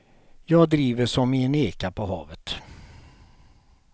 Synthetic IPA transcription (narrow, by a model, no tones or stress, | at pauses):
jɑːɡ̚d̪ɾiːvəʂɔmɪɛneːkapʰɔɦɑːvət̪